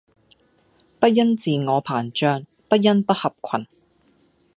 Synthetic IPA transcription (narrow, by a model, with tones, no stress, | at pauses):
pɐ˥t̚jɐ˥nt͡siː˨ŋɔː˨˧pʰaː˨˩nt͡ʃœː˧ŋ | pɐ˥t̚jɐ˥npɐ˥t̚hɐ˨p̚kʷʰɐ˨˩n